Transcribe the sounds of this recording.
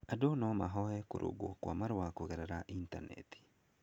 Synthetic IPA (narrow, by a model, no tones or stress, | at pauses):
adonɔmaɦɔɛko̰ɾʔo̰ɡokwa̰maɾowakoɣeɾeɾaʔintanɛ̰ti̥